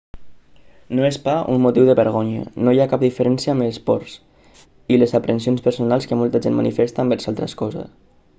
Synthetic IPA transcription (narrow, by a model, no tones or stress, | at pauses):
noespaʔummut̪iwðəβəɾɣoɲə̰nojakap̚d̪ifəɾɛnsiəaməspɔɾs | ilezapɾʔənsionspəɾsunalˠskəmɔlˠt̪aʒenmanifest̪ambɛɾsalˠt̪ɾəskɔzə̰s